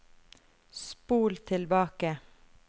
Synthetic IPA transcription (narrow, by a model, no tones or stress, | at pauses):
spuːlt̪ʰɪlbɑːkə